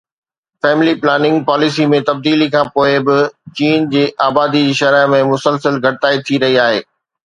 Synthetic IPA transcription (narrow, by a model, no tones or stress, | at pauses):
fɛːmɪliplaːnɪ̃ŋɡ̚paːlɪsimẽt̪ɐb̚d̪iːlikʰãːpoːɪbɪt͡ɕiːnd͡ʑeːʔaːbaːd̪id͡ʑiːʃɐɾaːɪmẽmʊsəlsəlɡʱɐʈɪt̪aːit̪ʰiɾɐɦiaːɦḛː